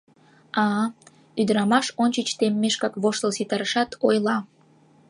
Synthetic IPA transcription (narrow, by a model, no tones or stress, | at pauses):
ɑ | yd̪əɾɑmɑʃonʲt͡ɕət͡ɕt̪emːeʃkɑkβoʃt̪əlsit̪ɑɾəʃɑt̪ʰojlɑ